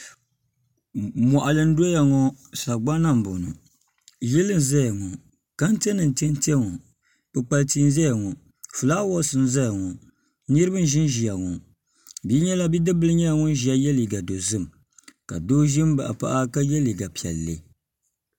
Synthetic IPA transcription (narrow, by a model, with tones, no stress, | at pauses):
mɔ˨ʔa˨lɨ˦n̩˦do˦ja˨ŋɔ˦sa˨ɡ͡ba˦na˦m˨bo˨nu˨ | jɛ˦lɨ˦n˨za˦ja˨ŋɔ˨ | ka˦n˦te˦nɨ˨n̩˨te˦n˦ti˦ɛ˦ŋɔ˨ | pɨ˦k͡pa˦lti˦n˦zɛ˦ja˨ŋɔ˨ | fɨ˨laː˦wɔ˦sɨ˨n̩˦za˦ja˨ŋɔ˨ | nɨ˦ɾɨ˦bɨ˦n˦ʒɪ˦n˦ʒi˨a˨ŋɔ˨ | bi˦ɲɛ˦la˦bi˦dɨ˦bɨ˦lɨ˦ɲɛ˦ja˨ŋɔ˦n˦ʒi˨a˨jɛ˦li˨ɡa˨do˨zɨ˦˨m | ka̰˨doː˦ʒi˦m˦ba̰˨ʔa̰˨pa̰˦ʔa˦ka˦jɛ˦li˨ɡa˨pi˨ɛ̰˨lːḛ˨